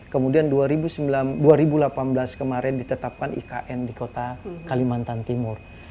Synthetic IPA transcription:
kəmudianduaɾibusəmbiladuaɾibulapanblaskəmaɾɛndit̪ət̪ap̚kanʔḭkaʔɛndikot̪akalimant̪ant̪imʊr

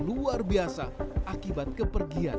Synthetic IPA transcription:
luarbiasaʔakibat̪̚kəpərɡian

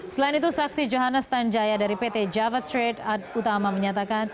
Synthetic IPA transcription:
səlainit̪̬usaksid͡ʒoɦanəst̪aɲd͡ʒajadaɾipet̪ed͡ʒavasɾedad̚ut̪amaməɲat̪akan

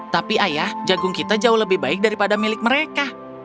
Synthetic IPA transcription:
t̪apiajahd͡ʒaɡʊŋkit̪ad͡ʒaʊhləbɪhbaɪk̚daɾipadamilɪk̚məɾeka

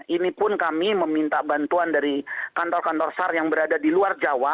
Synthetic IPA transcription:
inipʊnkamiməmint̪abant̪uandaɾikant̪ɔrkant̪ɔrsarjaŋbəɾadadiluard͡ʒawa

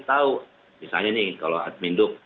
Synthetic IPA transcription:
t̪au | bisa̰ɲanɪhkaloa̰t̪̚mindʊk̚

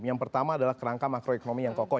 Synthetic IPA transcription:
jaŋpərt̪amaːdalahkəɾaŋkamakɾoekonomijaŋkokɔ

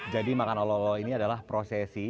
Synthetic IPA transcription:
d͡ʒadimakanɔlɔlɔiniadalahpɾosɛsi

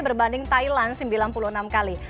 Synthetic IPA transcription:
bərbandɪŋt̪ailansəmbilanpuluhənamkali

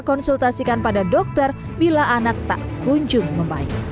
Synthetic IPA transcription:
kɔnsult̪asikanpadadɔk̚t̪ər | bilaʔanak̚t̪a̰ʔkuɲd͡ʒʊŋməmbaɪ̰k̚

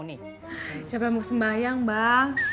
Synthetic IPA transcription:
ni | d͡ʒapamuk̚səmbajaŋbaŋ

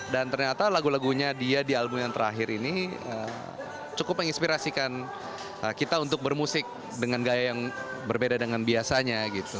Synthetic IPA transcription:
dant̪ərɲat̪alaɡulaɡuɲadiadialbʊmjaŋt̪əɾa̰ɦɪɾʔiniə̰ | t͡ʃukʊp̚məŋinspiɾasikan | ʔəkit̪aunt̪ʊk̚bərmusɪk̚ | dəŋanɡajajaŋbərbedadəŋanbiasaɲaɡit̪u

